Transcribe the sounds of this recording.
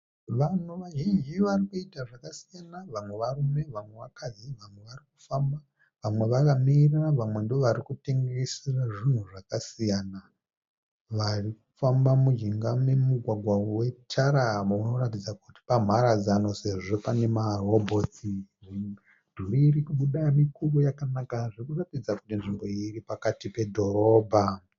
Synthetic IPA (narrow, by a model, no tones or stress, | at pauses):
ʋan̤uʋaʒind͡ʒiʋarikuitaʐakasijanaʋamwe̞ʋarume̞ʋamwe̞ʋakad͡ziʋamwe̞ʋarik̚u̥famba | ʋamwe̞ʋakamiriraʋamwe̞ndooʋaɾikute̞ŋɡesiraʐin̤uʐakasijaːna | ʋarikufambamud͡ʒiŋɡamemuɡʱwaɡʱwawe̞t͡ʃaɾauno̞ɾatid͡zakuti̥pam̤aɾad͡zano̞se̞ʐo̞pane̞maro̞bʱo̞ti | d̥ʱuɾiirikuɓuɗamikurojakanakaʐirikuratid͡zakutinʐimbo̞iripakatipe̞dʱo̞ɾo̞ːbʱa